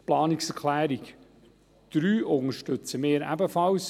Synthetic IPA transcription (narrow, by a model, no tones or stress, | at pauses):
plɑːniksɛɾkʰlæːɾik | d̪̥ɾyːʔʊŋəʃtɵt͡səmeːɾæ̰bəfɑws